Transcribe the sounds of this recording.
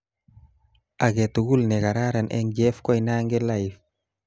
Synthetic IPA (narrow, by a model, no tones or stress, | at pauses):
aɡɛtuɡulnɛkaɾaɾanʔɛ̰ŋd͡ʒɛfkɔjnaːŋɡɛlajf